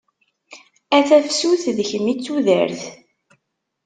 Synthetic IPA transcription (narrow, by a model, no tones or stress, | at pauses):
æθæfsuθðəçəmːit͡sːuðə̰ɾθ